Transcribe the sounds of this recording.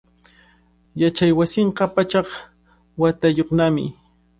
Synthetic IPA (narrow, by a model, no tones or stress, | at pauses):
jat͡ʃajwasɪɴɢɑpat͡ʃɑχ | wat̪ajoχnamɪ̰